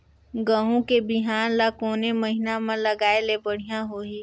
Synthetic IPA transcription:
ɡəɦõkebɪɦaːnlakoːneməɦɪnamãlɐɡaːelebɐɽ̤ijãɦoːiː

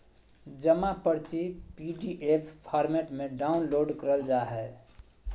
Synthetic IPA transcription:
d͡ʒəmapəɾt͡ʃipiɖiʔepʰpʰaɾmeʈmeɖaunloɖkəɾəld͡ʒaɦɛ

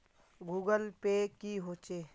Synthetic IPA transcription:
ɡuːɡəlpekiɦoːt͡ʃeː

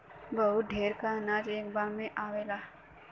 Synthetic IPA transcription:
bɐɦʊt̪̚ɖ̪ʱeːɾkanaːd͡ʒeːkbaːɾmẽʔaːʋeːlaː

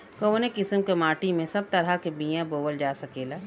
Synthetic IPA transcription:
koːnekɪsəmkemaːʈimẽsɐb̚t̪ɐɾakebijãboːwəld͡ʒaːsɐkeːlaː

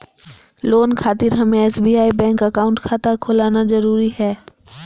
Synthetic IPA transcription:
loːnkʰaːt̪ɪɾɦɐmẽɛːsbiːaːibɛ̃ːŋkɐkaːʊ̃ɳʈkʰaːt̪akʰolaːnazɐɾuːɾiɦɛː

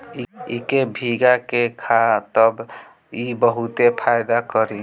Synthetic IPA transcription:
iḭkebʱiɡakekʰat̪əb | ibəɦut̪epʰajd̪akəɾi

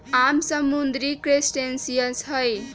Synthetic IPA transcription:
amsəmːund̪ɾikɾesʈensijəsɦəj

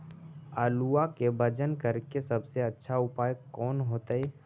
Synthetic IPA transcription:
aːluakebʱəd͡ʒənkəɾkesɐbseɐtːʃʰaʊpaːjəkːɔːnɦoːt̪aeː

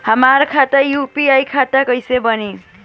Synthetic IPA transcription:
həmaɾkʰat̪ajupiajkʰat̪akʌjsebʌni

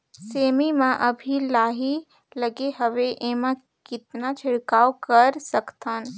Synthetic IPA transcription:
seːmimãʔɐbʱilaːɦi | lɐɡeɦɐʋeʔemã | kɪt̪nat͡ʃʰɪɽkaːokɐɾsɐkt̪ãːn

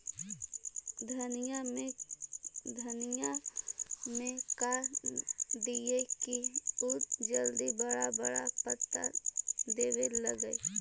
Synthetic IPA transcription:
d̪ʱɐnijamẽ | d̪ʱɐnija | mẽkaːɾ | d̪iekiʊt̪d͡ʒəld̪ibəɽabɐɽapət̪ːa̰d̪eːweləɡəe

